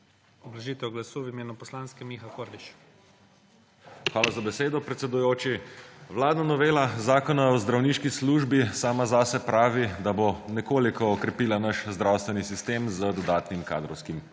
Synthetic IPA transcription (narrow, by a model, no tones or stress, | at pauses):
ɔblaʒiːt̪ɛɡlasuwimeːnupɔslaːnskɛmixakoɾliʃ | xʋaːlazabɛseːd̪ɔpɾɛt̪sɛd̪ujoːt͡ʃiʋlaːd̪nanɔʋeːlazaːkɔnaɔzd̪ɾawniʃkisluʒbisaːmazaːsɛpɾaːʋid̪abonɛkoːlikɔːkɾɛpiːlanaʃzd̪ɾawst̪ʋɛnisist̪eːmzəd̪ɔd̪aːt̪nimka̰d̪ɾɔwskim